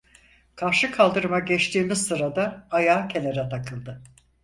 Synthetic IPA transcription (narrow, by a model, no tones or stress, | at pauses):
kʰaɾʃɯkʰalˠd̪ɯɾɯmaɟɛt͡ʃt̪ʰiːmiz̥sɯɾad̪aːjaːcʰeneɾɛt̪ʰakʰɯlˠd̪ɯ